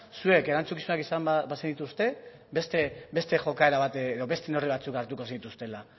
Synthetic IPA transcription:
sue̞ke̞ɾant͡sukisunakisambasend̪it̪ust̪e̞ | be̞st̪ebe̞st̪e̞ʝo̞kae̞ɾaβat̪eðo̞βe̞st̪e̞no̞riβ̞at͡sukaɾt̪uko̞senit̪ust̪e̞la

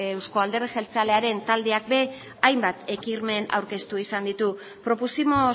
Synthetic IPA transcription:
ewsko̞ald̪e̞rixe̞lt͡seale̞aɾe̞nt̪ald̪e̞ak̚be̞ | ajmbat̪e̞kiɾme̞na̰wɾke̞st̪uisand̪it̪u | pɾo̞pusimo̞

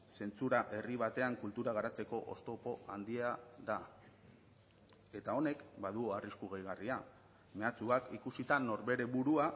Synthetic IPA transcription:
se̞nt͡suɾaʔe̞riβ̞at̪e̞aŋkult̪uɾaɣaɾat͡se̞ko̞ʔo̰st̪o̞po̞ʔand̪iaða | e̞t̪ao̞ne̞kbaðuoariskuɣ̞ejɣ̞aria | me̞at͡suakikusit̪ano̞ɾβe̞ɾe̞βuɾua

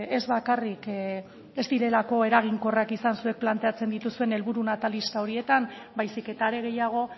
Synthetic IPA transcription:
e̞zβakarik | e̞zd̪iɾe̞lako̞e̞ɾaɣ̞iŋko̞rakisansue̞k̚plant̪e̞at͡se̞nd̪it̪usue̞ne̞lβuɾunat̪alist̪ao̞ɾie̞t̪am | bajsike̞t̪aːɾe̞ɣ̞e̞jaɣ̞o̞

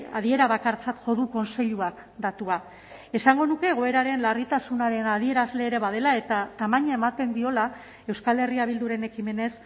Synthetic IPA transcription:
a̰ð̞ie̞ɾaβakaɾt͡sat̪ʝo̞ðuko̞nse̞ʎuak | d̪at̪ua | e̞saŋɡo̞nuke̞ːɣ̞oe̞ɾaɾe̞nlarit̪asunaɾe̞nað̞ie̞ɾazle̞ːɾe̞βað̞e̞lae̞t̪at̪amaɲae̞mat̪e̞nd̪io̞la | e̞wskale̞riaβ̞ild̪uɾe̞ne̞kime̞ne̞s

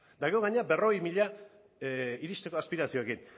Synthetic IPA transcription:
d̪aɣoɣaɲeabe̞ro̞ɣejmiʎa | iɾist̪e̞koaspiɾasio̞ekin

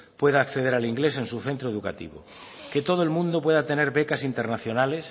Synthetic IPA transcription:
pwe̞ðaːkθeð̞eɾaliŋɡle̞sẽ̞nsuθe̞nt̪ɾoeðuka̰t̪ḭβ̞o̰ket̪o̞ð̞oelmũnd̪opwe̞ðat̪e̞ne̞ɾβekasint̪eɾnaθjo̞nales

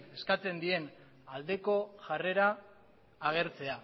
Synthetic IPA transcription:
e̞skat͡se̞nd̪ie̞n | ald̪e̞ko̞ʝare̞ɾaː | ɣ̞e̞ɾt͡se̞a

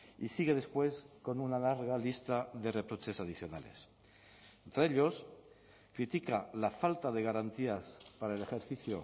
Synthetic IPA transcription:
isiɣe̞ð̞e̞spwe̞sko̞nunalaɾɣ̞alist̪aðe̞re̞pɾo̞t͡ʃe̞saðiθjo̞nale̞̰s | ent̪ɾeeʎo̞s | kɾit̪ikalafalt̪að̞e̞ɣ̞aɾant̪iaspaɾaelexeɾθiθjo

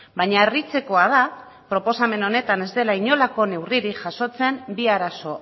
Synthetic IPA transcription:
baɲaerit͡se̞ko̞að̞a | pɾo̞po̞same̞no̞ne̞t̪ane̞zd̪e̞laiɲo̞lako̞ne̞wriɾiʝaso̞t͡se̞mbiaɾaso̞

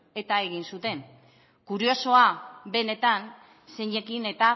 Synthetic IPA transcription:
e̞t̪ae̞ɣ̞insut̪e̞n | kuɾio̞so̞aβe̞ne̞t̪an | se̞ɲekine̞t̪a

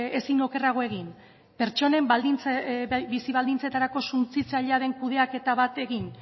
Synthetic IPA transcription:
esino̞ke̞raɣ̞o̞e̞ɣ̞in | pe̞ɾt͡ʃo̞ne̞mbald̪int͡sbisiβald̪int͡set̪aɾako̞sunt͡sit͡saʎeaðe̞ŋkuðe̞ake̞t̪aβat̪e̞ɣin

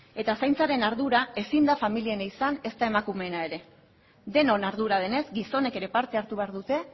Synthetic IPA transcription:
e̞t̪asajnt͡saɾe̞naɾðuɾae̞sind̪afamilie̞naisane̞st̪ae̞makume̞nae̞ɾe̞ | d̪e̞no̞naɾðuɾað̞e̞ne̞zɡiso̞ne̞ke̞ɾe̞paɾt̪e̞aɾt̪uβe̞aɾðut̪e̞

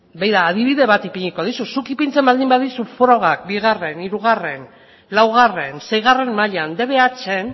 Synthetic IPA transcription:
bejðaːðiβ̞iðe̞βat̪ipiɲiko̞ð̞isusukipint͡se̞mbald̪imbaðisufoɾo̞ɣ̞ak̚biɣ̞are̞niɾuɣ̞are̞n | lawɣ̞are̞nse̞jɣ̞are̞mmaʎand̪e̞βe̞at͡ʃe̞n

